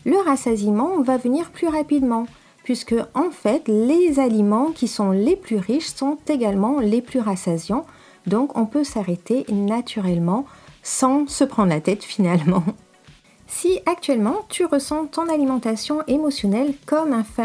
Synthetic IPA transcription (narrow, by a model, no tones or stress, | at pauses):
ləʁasazimɑ̃vavəniʁplyʁapid̪mɑ̃ | pɥiskəɑ̃fɛt̪lezalimɑ̃kʲisɔ̃leplyʁiʃsɔ̃t̪eɡalmɑ̃leplyʁasazjɑ̃ | d̪ɔ̃kɔ̃pøsaʁet̪enat̪ʰyʁɛlmɑ̃sɑ̃səpχɑ̃d̪ʁlat̪ɛt̪finalmɑ̃ | siak̚t̪ɥɛlmɑ̃t̪ʰyʁəsɑ̃t̪ɔ̃nalimɑ̃t̪asjɔ̃ʔemɔsjɔnɛlkɔmɛ̃fɛ